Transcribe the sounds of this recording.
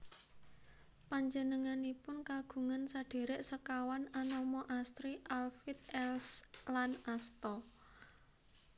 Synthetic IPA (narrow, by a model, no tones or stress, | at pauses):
paɲd͡ʒənəŋanipʊnkaɡ̥ṳŋansaɖ̥e̤ɾɛʔsəkawananɔmɔʔast̪ɾiʔalfit̪̚ɛlslanast̪ɔ